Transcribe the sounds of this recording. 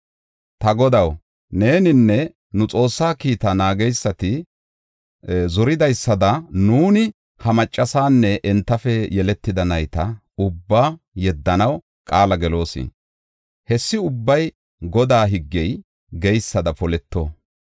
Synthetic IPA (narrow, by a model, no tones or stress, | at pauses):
t̪ɐɡɔd̪ɐw | ne̞ːnɪnːɛ | nʊt͡sʼo̞ːsːaːkiːt̪ɐnaːɡɛjsːɐt̪ɪ | zɔɾɪd̪ɐjsːɐd̪ɐnuːnɪ | hɐmɐt͡ʃʼːɐsaːnːɛʔɛnt̪ːɐfɛjɛlɛt̪ːɪd̪ɐnɐjt̪ɐ | ʊbːaː | jɛd̪ːɐnɐw | kʼaːlɐɡɛlo̞ːsɪ̰ | hɛsːɪʊbːɐj | ɡɔd̪aːɦɪɡːɛj | ɡɛjsːɐd̪ɐpɔlɛt̪ːo